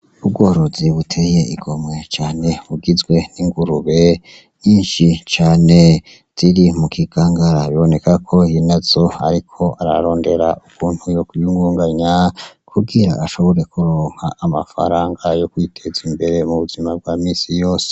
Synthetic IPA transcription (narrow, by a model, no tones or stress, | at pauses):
ub̚ɡo̞ːɾo̞ziβutʰeje̞iɡo̞mŋe̞t͡ʃaːne̞βuɡizɡwe̞niŋɡuɾuβe̞ | ɲiːnʃit͡ʃaːne̞ | z̥iɾimukʰiɡ̥aːŋɡaɾaβiβo̞ne̞kakʰo̞inazo̞a̰ɾikʰo̞ʔaɾa̰ɾo̞ːnde̞ɾa̰ukʰuːn̥hujokujuŋɡuːŋɡaɲakʰuɡiɾaʔaʃo̞βo̞ɾe̞kuɾoːŋ̥haʔama̰fa̰ɾaːŋɡajokwitʰe̞zimbe̞ɾe̞muβuzimab̚ɡwaːmiːsijo̞ːse̥